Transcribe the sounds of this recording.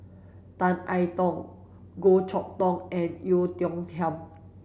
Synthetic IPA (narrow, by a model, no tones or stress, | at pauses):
t̪ãnʔajt̪ɔ̃ŋ | ɡot͡ʃʰɔk̚t̪ɔ̃ŋʔɛ̃njut̪jɔ̃ŋtʰɛm